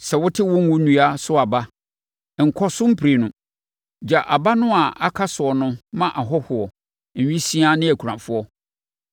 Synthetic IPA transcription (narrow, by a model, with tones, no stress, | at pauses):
sɛ˨wʊ˦tʰɪ˦wʊ̃˦ŋ˦wʊ̃˦nũ˦a˦sʊ˦a˨ba˦ | ŋ̩˨kʰɔ˦sʊ̃˦m̩˦pʰɾe˨nʊ̃˨ | d͡ʑa˨ʔa˨ba˦nʊ̃˦a˨a˦kʰa˦sʊ˨ɔ˨nʊ̃˦mã˦ʔa˨ɦɔ˦hʊ˨ɔ˨ | n̩˨ɥĩ˦sĩ˦a˦nɪ̃˦æ˨kʰu˨ɾã˨fʊ˦ɔ˦